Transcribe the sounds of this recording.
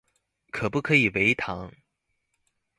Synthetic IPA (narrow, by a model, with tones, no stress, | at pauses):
kʰɤ˨˩pu˥˩kʰɤ˧˥i˨˩we˧˥ɪt̪ʰɑ˧˥ŋ